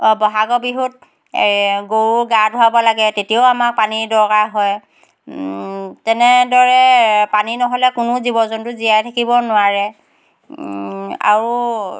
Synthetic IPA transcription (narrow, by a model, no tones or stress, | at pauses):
bɔɦaɡɔbiɦut̚ | ɡoɹuɡadʱuwabɔlaɡɛtetioamak̚panidɔɹkaɦɔj | tɛnɛdɔɹɛpaninɔɦɔlɛkʊnʊzibɔzɔntʊzijajtʰakibɔnʊwaɹɛ | a̰ɹu